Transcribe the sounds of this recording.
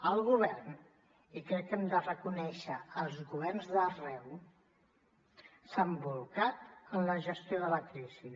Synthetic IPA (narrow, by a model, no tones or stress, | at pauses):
əlˠɣuβ̞ɛrn | ikɾɛkːɛmd̪ərəkunɛʃəəlˠzɣuβɛrnzðərɛw | sambulˠkat̪ənləʒəst̪joðələkɾizi